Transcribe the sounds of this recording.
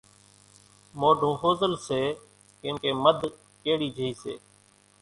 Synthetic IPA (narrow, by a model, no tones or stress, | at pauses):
moːɖʱõːɦoːzəlseː | kɪ̃ːkeːməd̪ʱ | keːɽiːd͡ʒʱəiːsḛː